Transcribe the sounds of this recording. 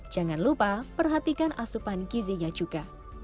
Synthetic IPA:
d͡ʒ̥aŋanlupapərɦat̪ikanʔasupankiziɲad͡ʒuɡ̥a

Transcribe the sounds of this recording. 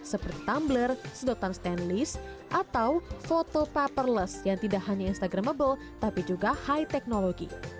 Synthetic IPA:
səpərt̪i̥t̪amblərsədot̪anst̪ɛnlis | ʔat̪awfot̪opapərləsjaŋt̪idaʔɦaɲainst̪aɡɾaməbəl | t̪apid͡ʒuɡahajt̪ɛk̚noloɡḭ

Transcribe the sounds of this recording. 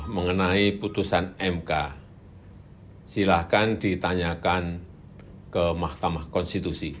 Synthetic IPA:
məŋənaiput̪usanɛmka | silahkand̥it̪aɲakan | kəmahkamahkɔnst̪it̪usi

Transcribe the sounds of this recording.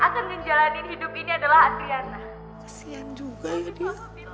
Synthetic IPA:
ʔakanɡəŋd͡ʒalanihidʊpiniadalahasianlah | kasiand͡ʒuɡajadia

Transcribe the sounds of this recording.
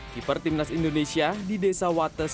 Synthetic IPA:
kipərt̪imnasindonesiadidesawat̪əs

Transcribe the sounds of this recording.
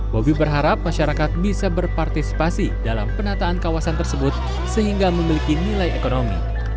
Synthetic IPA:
bobibərɦaɾap̚maʃaɾakat̪̚bisabərpart̪isi̥pasidala̰mpənat̪aːnkawasant̪ərsəbʊt̪̚ | səɦiŋɡaməmilikinilajekonomḭ

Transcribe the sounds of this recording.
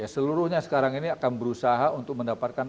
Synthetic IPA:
jasəluɾʊhɲasə̥kaɾaŋiniakanbəɾusaɦaunt̪ʊk̚məndapat̪̚kan

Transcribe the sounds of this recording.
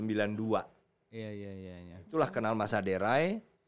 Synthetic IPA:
əmbilandua | jajajait̪ulahkənalmasadeɾae

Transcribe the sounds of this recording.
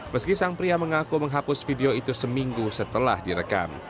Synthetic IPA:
məskisaŋpɾiaməŋakuməŋɦapʊsfideoit̪usəmiŋɡusət̪əla̰hdiɾəka̰m

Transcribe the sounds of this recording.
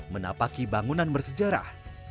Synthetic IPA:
məna̰pakibaŋunanbərsəd͡ʒaɾa̰h

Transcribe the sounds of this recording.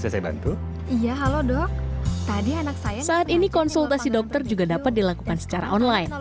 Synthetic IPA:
sasajaba̰nt̪u | ijaɦalodɔk̚t̪adianak̚sajasaːt̪inikɔnsult̪asidɔk̚t̪ərd͡ʒuɡadapat̪̚dilakukansə̥t͡ʃaɾa̰ʔɔnlajn

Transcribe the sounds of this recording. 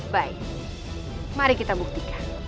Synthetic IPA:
baj | maɾeket̪abukt̪ikḁ

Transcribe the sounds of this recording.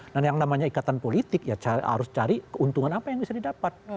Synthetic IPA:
danjaŋnamaɲaikat̪anpolit̪ɪkjat͡ʃaa̰ɾʊst͡ʃaɾikəunt̪uŋanapajaŋbisadidapat̪̚

